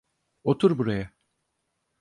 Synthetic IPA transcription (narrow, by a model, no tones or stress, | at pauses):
ot̪ʰuɾbuɾaja